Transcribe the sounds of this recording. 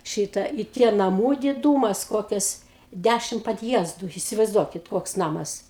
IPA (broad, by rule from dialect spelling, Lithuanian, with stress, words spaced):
ˈʃʲiːtɐ iː ˈtʲiɛ nɐˈmuː dʲɪˈduːmɐs ˈkoːkʲɛs ˈdʲæʃʲɪmt pɐdʲˈjiɛzdʊ ɪsʲɪʋɐɪzˈduɔkʲɪt ˈkoːks ˈnɑːmɐs